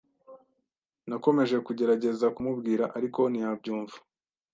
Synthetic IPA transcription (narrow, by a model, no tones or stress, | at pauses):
nako̞me̞ʒe̞kuɟe̞ɾaɟe̞zakumubɡiːɾaʔaɾiko̞nijabɟuːɱvu̥